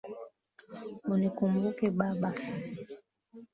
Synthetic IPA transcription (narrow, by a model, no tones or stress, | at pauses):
unikum̩bukɛɓaɓa